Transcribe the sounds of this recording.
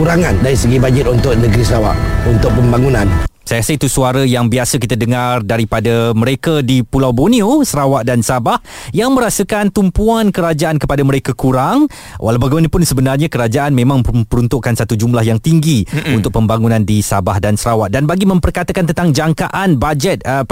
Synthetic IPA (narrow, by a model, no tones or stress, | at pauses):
kuɾaŋandaɾisəɡibad͡ʒɪt̪̚unt̪ʊʔ̚nəɡɾisəɾawa̰ʔunt̪ʊk̚pəmbaŋunãnsajkasəit̪usuaɾajaŋbiasəkit̪ədəŋardaɾipadamə̃ɾekadipulawboniosəɾawaʔdansabah | jaŋmə̃ɾasəkant̪umpuankəɾad͡ʒaʔankəpadaməɾekakuɾaŋ | wʔa̰lawbaɡɛmanəpʊnsəbənarɲakəɾad͡ʒaʔanmẽmãŋpəɾunt̪ʊʔkansat̪ud͡ʒumlahjaŋt̪iŋɡiunt̪ʊk̚pəmbaŋunãndisabahdansəɾawaʔ̪̚danbaɡimə̃mpərkat̪akant̪ənt̪aŋd͡ʒaŋkaʔanbad͡ʒɛt̪̚